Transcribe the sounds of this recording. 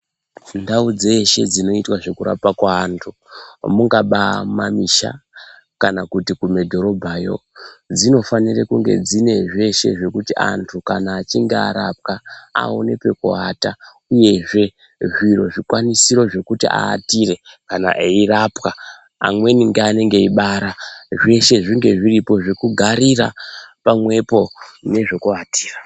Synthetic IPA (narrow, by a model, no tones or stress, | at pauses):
ndaud͡ze̞ʃe̞̰d͡zino̞itwaʐe̞kuɾa̰pakwaːntʰu | muŋɡaɓamamiʃa̰ | kanakutikumedʱo̞ɾo̞bʱajo̞̰d͡zino̞fanirekuŋɡe̞̰d͡zine̞ʐe̞ʃe̞̰ʐe̞kutiʔa̰ntʰukanaːt͡ʃiŋɡea̰ɾap̚kaa̰o̰ne̞pe̞ko̰ɦata | uje̞ʐe̞ | ʐiro̞ʐikwanisiɾo̞ʐe̞kutiʔa̰ːtire̞kana̰ʔeirapwa | a̰mwe̞niŋɡeane̞ŋɡe̞iɓaɾaʐe̞ʃe̞ʐiŋɡe̞ʐiripo̞ʐekuɡʱaɾira̰pamwe̞po̞ne̞ʐe̞kuati̥ːra